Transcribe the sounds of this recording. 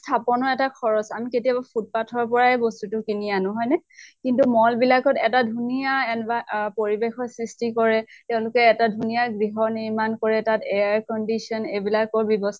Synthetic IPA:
stʰapɔnɔɛtakʰɔɹɔsamiketijabapʰut̚patʰɔɹpɔɹaɛbɔstutʊkinijanɔɦɔjnɛkintumɔlbilakɔtɛtadʱunijaɛnbapoɹibexɔɹsɹistikɔɹɛtɛʊ̃lʊkɛːtadʱunijaɡɹiɦɔniɹmankɔɹɛtatɛaɹkɔndisɔnebilakɔɹbibɔs

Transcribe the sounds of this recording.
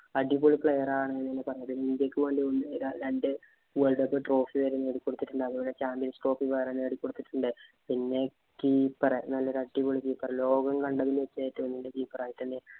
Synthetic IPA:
ɐɖipoɭipɭejɐraːɐɳɐnːeːnːɨpɐrɐɲːɐt̪ːilind̪iɐkʲːɨʋɐɳdionːɨeɾanɐnde | ʋeɭɖɐpːɨʈro̞ːfiʋeɾene̞ːɽikʲːo̞ɽut̪ːiʈːuɳɖɨɐðuboːlet͡ɕaːmpjɐnsʈo̞ːpːiʋɐjɾene̞ːɽikːo̞ɽut̪ːiʈːuɳɖɨpinːe̞ | kiːpːɐrenɐlːoɾɐɖːipoɭikiːpːɐrelo̞ːɡɐmkɐɳɖɐʋinɨʋet͡ɕːaːjit̪ːɨɐnːɐlːekiːpːɐraːjit̪ːɐnːe

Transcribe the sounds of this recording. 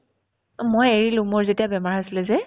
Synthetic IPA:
mojeɹilʊ̃mɔɹzetijabɛmaɹasilɛzɛ

